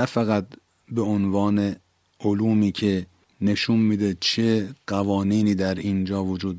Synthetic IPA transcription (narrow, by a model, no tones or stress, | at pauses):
æfæɣæt̪̚ | be̞onvɒːne | oluːmiːcʰe | ne̞ʃunmiːd̪et͡ʃʰeɢ̥ævɒːniːniːd̪æɾind͡ʒɒːvod͡ʒuːd̪̚